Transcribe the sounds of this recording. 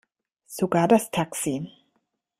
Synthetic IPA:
suɡadast̪ʰaksin

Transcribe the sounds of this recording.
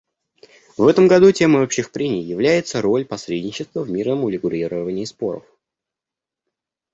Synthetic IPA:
vɛt̪əmɡɐd̪utʲe̞məopɕɪxpɾʲenʲɪjjɪvlʲæjɪt̪səɾo̞lʲpɐsɾʲedʲnʲɪt͡ɕɪst̪vəvmʲirnəmʊlʲɪɡʊɾʲiɾəvənʲɪːspo̞ɾə̰f

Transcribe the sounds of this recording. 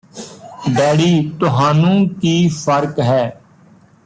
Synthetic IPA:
bɛːɽiːt̪ʊɦaːnũːkiːfʰəɾkɦɛː

